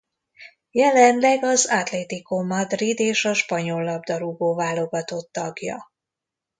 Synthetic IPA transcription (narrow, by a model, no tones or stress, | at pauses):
jɛlɛnlɛɡɒzat̪lɛt̪ikomːɒd̪rid̪eːʃɒʃpɒɲo̞lːɒbd̪ɒɾuɡoːvaːlo̞ɡɒt̪o̞t̪ːɒɡjɒ̰